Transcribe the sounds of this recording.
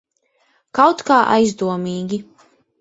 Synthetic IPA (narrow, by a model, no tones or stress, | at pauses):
kawt̪kaːʔa̰jzd̪uɔmiːɡʲi